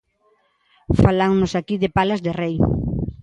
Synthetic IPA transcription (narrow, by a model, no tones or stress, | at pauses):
falaŋnʊsakiðɪpalazðerej